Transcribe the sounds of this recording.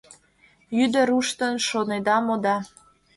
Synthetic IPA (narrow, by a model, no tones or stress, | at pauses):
jyd̪ə̆ɾuʃt̪ənʃoned̪ɑmod̪ɑ